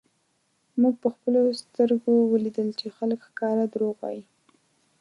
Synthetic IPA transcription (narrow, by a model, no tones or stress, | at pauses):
muɡ̚pəxpəlost̪əɾɡowəlid̪əlt͡ʃexaləkxkɑɾad̪ɾoɣa̰ji